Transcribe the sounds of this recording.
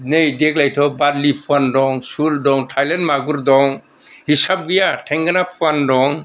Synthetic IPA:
nejdeɡlajtʰɔbadlipʰuandɔŋsuldɔŋtʰajlenmaɡuɾdɔŋ | hisab̚ɡɯjatʰɛŋɡanapʰuandɔŋ

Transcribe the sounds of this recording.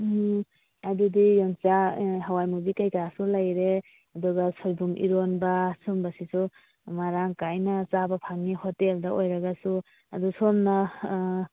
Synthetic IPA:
adudijɔŋt͡ʃaɦawajmubikajkasulajɾe | adɔɡasʰɔjbumʔḭɾonbasumbasisu | maɾaŋkajnat͡ʃabapʰaŋnihɔteldaʔojɾaɡasu | adusɔmna

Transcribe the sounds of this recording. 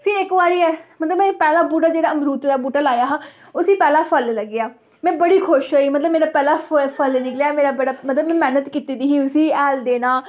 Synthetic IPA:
pʰɪɾɪkʋaːɽiːɛːmət̪ləbmɛ̃ːpɛːlaːbuːʈ̬aːd͡ʒeːɽaːəmɾuːt̪ɾaːbuːʈaːlaːjaːɦaː | ʊsiːpɛːlaːpʰəlləɡɪjaː | mɛ̃ːbəɽiːkʰʊʃɦoːiːmət̪ləbmeːɾaːpɛːlaːpʰəlnɪklejaːmeːɾaːbəɽaːmət̪ləbmɛ̃ːmɛːnət̪kiːt̪iːd̪iːɦiːʊsiːɛːld̪eːnãː

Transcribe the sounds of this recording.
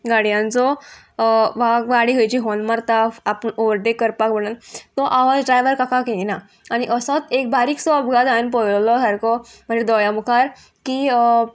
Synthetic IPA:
ɡaɽjãnt͡sɔ | ʋaɡʋaɽiɡʱəjt͡ɕiɦɔnmaɾt̪afapənoʋɾʈ̪ekəɾpakbəɽ̃ənt̪ɔʔaʋad͡zɖɾajʋəɾkakakejna | aɽ̃iʔəsɔt̪ek̚baɾiːksɔəbɡad̪ajnp̬ɔjllɔsaɾkɔm̤əd͡ʑed̪ɔjamukʰaɾ | ki

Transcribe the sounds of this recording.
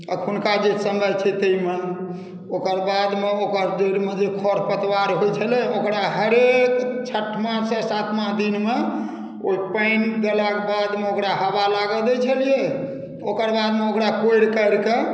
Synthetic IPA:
ə̰kʰunkad͡ʒesəmbʱəjt͡ʃʰɛt̪əjmən | okəɾbad̪meokəɾd͡ʒoɽmed͡ʒekʰɔɾpət̪waɾɦojt͡ʃʰəlɛokɾaɦəɾekt͡ʃʰəʈʰmãsə̃sat̪ʰmãɦd̪inme | oipəjnɡ̪elakbad̪meokɾaɦəbalaɡəd̪ɛt͡ʃʰəlije | okəɾbad̪meokɾakojɽkəɾke

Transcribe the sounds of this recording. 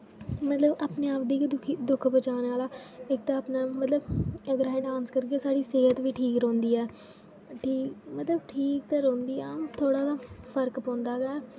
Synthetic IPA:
mət̪ləbaːpneːaːp̚d̪iːkd̪ʊkʰid̪ʊkʰbət͡ʃaːneːaːlaːɪk̚t̪aːaːpnaːmət̪ləbəɡəɾaːẽːɖãːnskəɾkeːsaːɽiːseːɦət̪ʋiːʈʰiːkɾõːnd̪iːɛː | ʈʰiːkmət̪ləbʈʰiːkt̪eːɾõːnd̪iːɛːt̪ʰoːɽaːd̪aːpʰəɾkpɔ̃ːnd̪aːɡɛː

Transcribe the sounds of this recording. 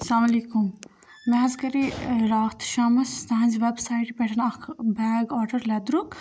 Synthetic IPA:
ɐslaːmɐliːkum | mɛ̃ɦɐzkɐɾiɾaːt̪ʃaːmɐst̪ɐɦɐ̃nd͡ʒʋebsaːiʈpɛʈʰɐnɐkbɛːɡɔːʈɐɾlɛd̪ɾuk

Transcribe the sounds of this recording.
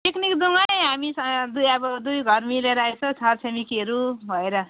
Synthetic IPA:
ʈeknikd̪uŋajɦamisʌd̪ujʌbʌd̪ujɡʱʌɾmileɾaet͡sʰʌ̃t͡sʰʌrsʰemikiʌɾubʱʌeɾʌ

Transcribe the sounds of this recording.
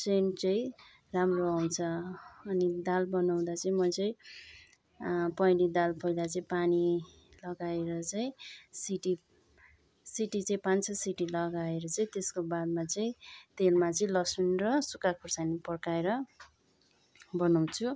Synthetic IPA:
sent͡sʌĩ | ramroaw̃t͡sʰʌːnid̪albʌnaw̃d̪at͡sʌĩmʌt͡sʌĩ | pʌjnid̪alpʌjlat͡sʌĩpani | lʌɡaeɾʌt͡sʌĩsiʈi | siʈit͡sʌĩpant͡sʰʌsiʈilʌɡaeɾʌt͡sʌĩt̪eskobad̪̚mat͡sʌĩt̪elmat͡sʌĩlʌsunrʌsukakʰursanipʌrkaeɾʌ | bʌnaw̃t͡sʰu

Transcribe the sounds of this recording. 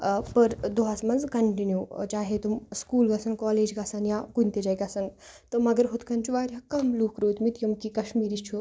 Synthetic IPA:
pɐɾd̪oɦasmɐnzkɐɳʈinjut͡ʃaːɦet̪umskuːlɡasɐnkɔːleːd͡ʒɡasanjakunt̪ed͡ʒajkʲasɐnt̪əmɐɡəɾɦot̪kʰɐnt͡ʃuʋaːɾʲjakɐmluːkɾoːt̪mit̪jɐmkikɐʃmiːɾist͡ʃʰu

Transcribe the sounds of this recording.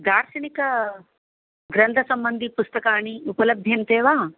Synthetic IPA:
d̪aːɾʃɐɳikɐ | ɡɾɐnd̪ʱɐsɐmbɐnd̪ʱipust̪ɐkaːɳiupɐlɐbʱjɐnt̪eːʋaː

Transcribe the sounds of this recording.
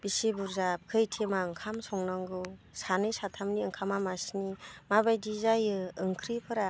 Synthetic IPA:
bisibuɾzap̚kʰɯjtʰemaɯŋkʰamsɔŋnaŋɡɯw | sanɯjsatʰamniɯŋkʰamamasnimaβajdizajɯɯŋkʰɾipʰɯɾa

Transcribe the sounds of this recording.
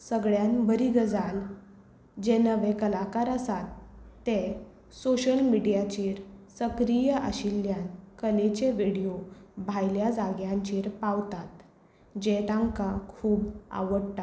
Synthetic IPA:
səɡɭjanbəɾiɡəd͡zal | d͡ʑenəʋekəlakaɾasat̪ːe | soɕəlmiɽijat͡ɕiːɾsəkɾijəʔə̰ɕiljãnkəlet͡ɕeʋiɽiobʱajljad͡zaɡjãɲt͡ɕiːɾpaʋt̪at̪ | d͡ʑet̪ãŋkakʰuːba̰ʋəɽt̪a

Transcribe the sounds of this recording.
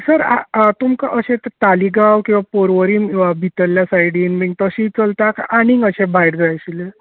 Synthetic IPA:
səɾa̰t̪umkaʔəɕẽt̪t̪aliɡawkĩw̃ʋapoɾʋəɾiːmĩʋabʱit̪əljasajiɽiːnbiŋɡt̪əɕĩːt͡səlt̪akaɽ̃ĩŋɡəɕẽbʱajɽd͡z̪ajɕile

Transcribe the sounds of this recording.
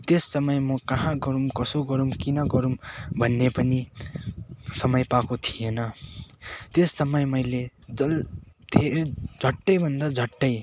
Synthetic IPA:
t̪esːʌmʌjmʌkʌɦãɡʌɾumkʌsoɡʌɾumkinʌɡʌɾumbʱʌnːepʌni | sʌmʌjpakot̪ʰijenʌ | t̪esːʌmʌjmʌjled͡zʌl | d̪ʱeɾd͡zʱʌʈːʌjbʱʌnd̪ad͡zʱʌʈːʌj

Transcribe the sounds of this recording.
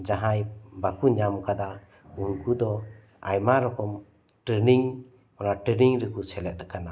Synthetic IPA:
d͡ʒaɦajbakuɲamɔkad̪a | uŋkud̪ɔ | ajmaɾɔkɔm | ʈɾeniŋ | ɔnaʈɛniŋɾəkusɛlɛt̪̚ɾakana

